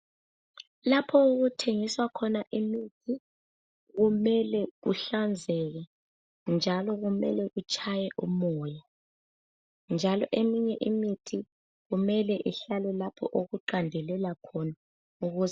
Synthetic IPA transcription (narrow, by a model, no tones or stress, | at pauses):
lapʰɔuɣutʰeŋiswakʰɔnaʔimitʰi | ɣumɛlɛɣuɬand͡zʱɛɣ̬a | nd͡ʒʱalɔɣumɛlɛɣut͡ʃʰʼajɛʔumɔːja | nd͡ʒʱalɔʔemiɲɛʔimitʰi | ɣumɛlɛʔiɬalɛlapʰɔʔoɣuǃandʱɛlɛlakʰɔna | uɣuz